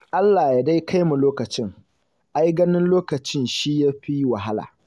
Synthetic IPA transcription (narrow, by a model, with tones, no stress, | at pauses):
ʔa˦lːaː˨ja˨da˦jkʰa˦jmu˨loː˦kɐ˨t͡ʃɪ˦ŋ | ʔa˦jɡɐ˦nɪ˦nloː˦kɐ˨t͡ʃɪ˦nʃiː˦ja˦ɸi˦wɐ˨ɦa˦la̰ː˨